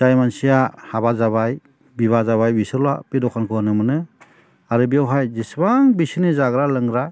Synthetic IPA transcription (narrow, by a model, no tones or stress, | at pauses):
zajmansijahabazaβaj | biβazaβajbisɯɾwapidɔkʰankʰɯwanɯmɯnɯ | aɾɯbiawɦajzisbaŋbisinizaɡɾalɯŋɾaj